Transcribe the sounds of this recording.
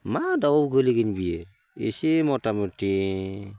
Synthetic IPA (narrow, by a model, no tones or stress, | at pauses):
madaowɡəliɡinbie | ḭsimotamuti